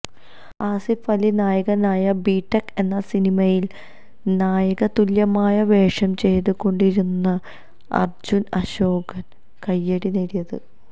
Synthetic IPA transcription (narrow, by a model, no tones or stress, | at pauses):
aːsifɐlinaːjɐɣɐnaːjɐbiːʈːɐke̞nːɐsinimɐjil | naːjɐɣɐt̪uljɐmaːjɐʋe̞ːʂɐmt͡ɕe̞jt̪uko̞ɳɖiɾunːɐ | ɐ̰rd͡ʑunɐɕo̞ːɡɐn | kɐjːɐɽineɽijɐðɨ̰